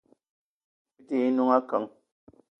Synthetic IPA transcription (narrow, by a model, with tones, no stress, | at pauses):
i˦ti˨i˦nu˦ŋa˦kə˨˦ŋ